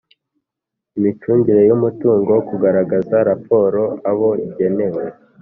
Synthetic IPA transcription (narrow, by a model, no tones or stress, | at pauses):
imit͡ʃuːɲdiɾe̞jumutuːŋɡo̞kuɡaɾaɡazaɾapo̞ːɾo̞aβo̞iɟe̞ne̞we